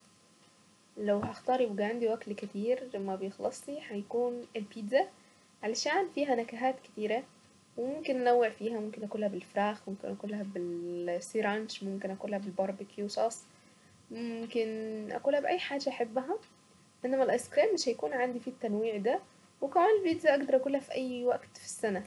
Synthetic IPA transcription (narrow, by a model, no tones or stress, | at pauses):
læwhæʔɑxt̪ˤɑːɾˤjbɡæʕand̪iwæklkæt̪iːɾmæbejexlɑsˤlihæjkuːnʔelpiːd̪zæ | ʕalæʃæːnfiːɦænækæɦaːt̪ke̥t̪iːɾæ | wemomkenʔænæwːeʕfiːɦæmomkenʔækuːlːhæbelfɾæːxmomkenʔækuːlːæhæbelsiɾɑnd͡ʒmomkenʔækuːlːæhæbelbɑɾˤbekjuːʃɑsˤː | momkenʔæ̰kuːlːhæbʔæjːħaːd͡ʒæʔaħebːɦæ | ʔenːæmælʔɑjskɾiːmːeʃhæjækuːnʕand̪ifiːt̪ːænwiːʕd̪æ | wekæʕaːnelpiːd̪zæʔɑɡd̪ɑɾˤʔækulːæhæfiʔæjːwæɡt̪fi̥sːænæ